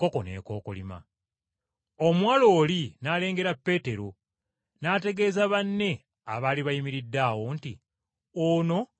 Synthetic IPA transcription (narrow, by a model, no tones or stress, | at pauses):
ko̞ko̞̰nḛːko̞ːkolḭma̰ | omwaːlo̞ːlinaːle̞ːŋɡe̞ɾapːe̞ːte̞ɾo̞ | naːte̞ɡe̞ːzaβanːe̞ | aβaːliβajimiɾidːaːwo̞ntḭ | ono̞